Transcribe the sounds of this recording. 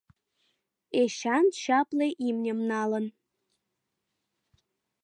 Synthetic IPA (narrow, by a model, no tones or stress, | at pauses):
eɕɑnɕɑpleʔimnʲə̆mnɑlən